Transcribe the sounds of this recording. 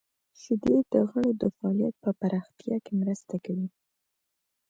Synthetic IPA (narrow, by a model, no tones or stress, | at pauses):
ʃɪd̪ed̪̥əɣəɽod̪əfaɑlija̰t̪̚pəpaɾɑxt̪jɑkemɾəst̪akawi